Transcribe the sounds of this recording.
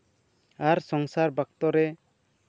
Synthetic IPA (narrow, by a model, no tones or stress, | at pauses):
aɾsɔŋsaɾbak̚t̪ɔɾɛ